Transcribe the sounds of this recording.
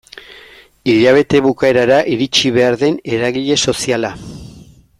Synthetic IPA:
iʎaβ̞e̞t̪e̞βukae̞ɾaɾaʔiɾit͡ʃiβe̞aɾðe̞ne̞ɾaɣiʎe̞so̞siala

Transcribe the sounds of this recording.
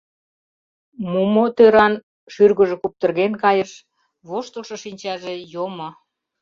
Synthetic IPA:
mumot̪øɾɑn | ʃyrɣə̆ʒĕkup̚t̪ə̆rɣenkɑjəʃ | βoʃt̪əlʃɤʃinʲt͡ɕɑʒejomo

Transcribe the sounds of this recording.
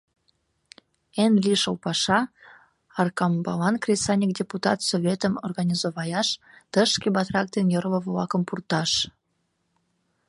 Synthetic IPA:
enlʲiʃəlpɑʃɑ | ɑrkɑmbɑlɑnkrʲesɑnʲik̚dʲeput̪ɑt̪soβʲet̪əmorɣɑnʲizoβɑjɑʃ | t̪əʃkebɑt̪rɑk̚d̪enjərləβəlɑkəmpurt̪ɑʃ

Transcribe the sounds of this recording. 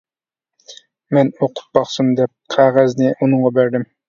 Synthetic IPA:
mɛnoqʰʊ̥t̪̚bɑχsumd̪ɛp̚qʰæʁæznɪʔunʊɴʁɑbæɾd̪ɪm

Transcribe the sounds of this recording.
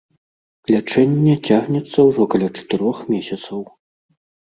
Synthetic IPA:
lʲat͡ʂɛnʲːɛt͡sʲaɣnʲɛt̪sːɐwʐɔkɐlʲat͡ʂɐ̥t̪ɨɾɔxmʲɛsʲɐt̪sɐw

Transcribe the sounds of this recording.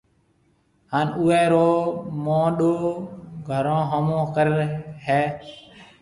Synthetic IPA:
haːnuːeːɾoːmãːɗoːɡʱəɾãːɦəmõːkəɾɦɛː

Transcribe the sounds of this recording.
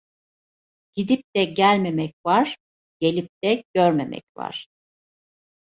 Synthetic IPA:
ɟ̥id̪ip̚t̪ɛɟælʲme̞mɛcvaɾ̥ | ɟ̥e̞lʲip̚t̪ɛɟ̥øɾmemɛ̰cva̰ɾ̥

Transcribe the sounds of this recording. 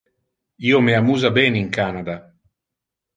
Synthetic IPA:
iːomeamuːzabɛːneiŋkaːnad̪a

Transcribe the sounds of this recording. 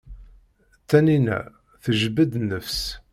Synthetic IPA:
t̪ːæninæ̰ | θəʒəbəd̪nəfs

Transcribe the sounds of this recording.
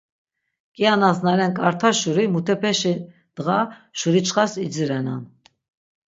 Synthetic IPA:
kʼianasnaɾɛnkʼaɾt̪ʰaʃuɾimut̪ʰɛpʰɛʃi | d̪̥əɣaʃuɾit͡ʃʰχasid͡ziɾɛna̰n

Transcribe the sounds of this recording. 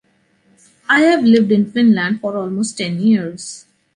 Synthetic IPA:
aɪhæʋlɪʋɖɪ̃nfɪ̃nlæ̃ɳɖfɔːɾɔːlmoːsʈːɛ̃njiəɾz̥

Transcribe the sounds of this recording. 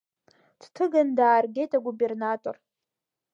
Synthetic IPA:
d̥tʰɨɡandaːrɡʲe̞jtʼaɡube̞rnatʼo̰r

